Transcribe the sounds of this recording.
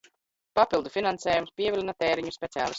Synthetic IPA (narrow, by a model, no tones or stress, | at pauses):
papilˠd̪ufinanseːjumspʲiɛvʲilʲinat̪eːɾiɲuspʲɛsia̰ːlˠḭst̪